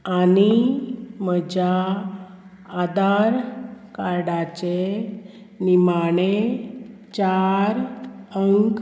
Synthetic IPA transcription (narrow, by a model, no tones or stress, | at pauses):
ani | məd͡ʑa | d̪aɾkaɾɽat͡ɕe | nimaɳ̃e | t͡ɕaɾəŋk